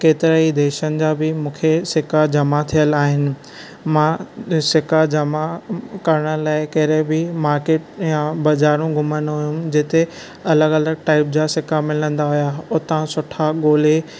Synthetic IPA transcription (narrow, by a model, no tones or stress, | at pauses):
keːt̪ɪɾəid̪eːʃənɪ̆d͡ʑaːbɪmũːkʰesɪkad͡ʑɐmat̪ʰijəlaːɦɪnɪ̆ | mãsɪkad͡ʑɐmakɐɾəɽ̃əlaːɪkɐɦɪɾẽbɪmaːɾkeːʈ̚jãbɐzaːɾũɡʱʊmənɦʊjũd͡ʑeːt̪e | ɐləɡɐləɡʈaːɪp̚d͡ʑaːsɪkamɪlə̃nd̪aɦʊjaʊt̪ãsʊʈʰaɠoːle